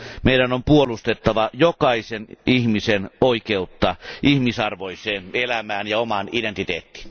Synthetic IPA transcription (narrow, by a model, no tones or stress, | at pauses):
meiɾænompuolust̪et̪ːɑʋɑjokɑisenihmisenoikeut̪ːɑʔihmisɑrʋoiseːnelæmæːnjɑomɑnident̪it̪ḛːt̪ːi̥ːn